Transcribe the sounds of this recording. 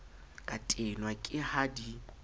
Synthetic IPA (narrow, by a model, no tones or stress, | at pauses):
kʼatʼenwakʼɪhadi